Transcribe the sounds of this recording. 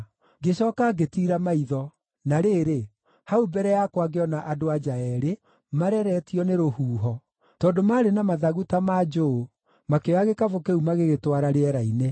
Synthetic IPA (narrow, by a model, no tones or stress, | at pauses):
ɡeɕɔkaɡetiːɾamaiðɔ | naɾeɾe | haubɛɾɛjakwaɡeɔnaʔadoad͡ʒaɛɾe | maɾɛɾɛtiɔneɾohuːɦɔ | tɔːndomaɾenamaðaɣutamad͡ʒo | makeaɣekavokeumaɣeɣetwaɾaɾeɛɾaine